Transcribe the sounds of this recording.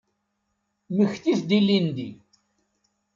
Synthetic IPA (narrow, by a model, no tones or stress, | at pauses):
məçθiθd̪ilːind̪i